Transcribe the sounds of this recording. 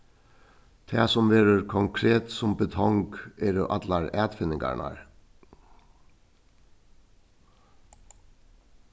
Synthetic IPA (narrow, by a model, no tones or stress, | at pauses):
t̪ʰæːsɔmʋeːɾəɾkʰɔŋkʰɾeːt̪sɔmbət̪ʰɔŋɡeːɾoːʔɑd̪lɑɾæːd̪fɪnɪɡæ̰ɳɑ̰ɹ